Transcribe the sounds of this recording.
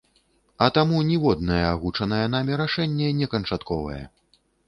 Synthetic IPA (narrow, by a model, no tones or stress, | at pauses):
ɐt̪amunʲivɔd̪̚nɐjɛaɣut͡ʂɐnɐjɛnamʲiɾaʂɛnʲːɛnʲɛkɐnt͡ʂat̪kɔvɐ̰jɛ̰